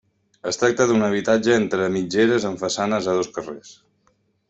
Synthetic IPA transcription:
əst̪ɾak̚t̪əðunəβ̞it̪ad͡ʒəent̪ɾəmid͡ʒeɾəzəɱfəsanəzəðoskəres

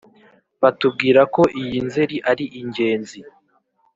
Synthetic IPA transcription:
βatub̚ɡiːɾako̞ʔijinze̞ɾiʔaɾiʔiɲɟe̞ːnzi

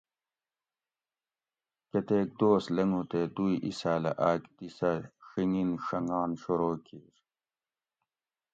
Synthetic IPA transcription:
kɐt̪eːk̚d̪oːslɐŋũt̪ed̪ujʔisaːlɐ̰ʔaːkt̪isɐʂiŋinʂɐŋɡaːnɕuɾoːkiːɾ

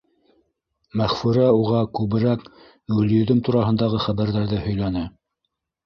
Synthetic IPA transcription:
mæχfʉɾæuʁɑkʉβɘ̆ɾæk | ɡɵ̆ljɵ̆ðɵmt̪uɾɑɦɤ̆nd̪ɑʁɤχæβæɾðæɾðɘhɵ̆jlænɘ

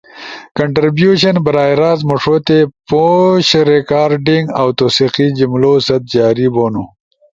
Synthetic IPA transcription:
kɐɳʈɾibjuɕɐnbɐɾaːjɾaːzmuʂoːt̪epoɕɾekaːɾɖiŋɡawt̪oːsiqid͡ʑimloːsɐt̪̚d͡ʒaːɾiboːnu

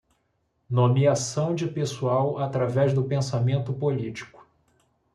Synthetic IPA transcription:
nomiasɐ̃w̃d͡ʒɪpesuawat̪ɾavɛzd̪ʊpẽsamẽnt̪ʊpolit͡ʃi̥kʊ̥

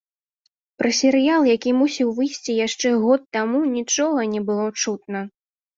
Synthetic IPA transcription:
pɾɐsʲɛɾɨjalˠjakʲimusʲiwvɨjsʲt͡sʲijaʂt͡ʂɛɣɔt̪ːamunʲit͡ʂɔɣɐnʲɛbɨlˠɔt͡ʂut̪̚nɐ

